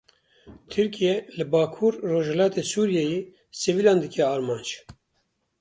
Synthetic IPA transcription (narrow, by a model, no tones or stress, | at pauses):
t̪ʰɨɾkijɛlɨbɑːkʰuːɾːoːʒhɛlɑːt̪esuːɾijɛje | sevilɑ̃ːnd̪ɨkɛɑːɾmɑːnd͡ʒ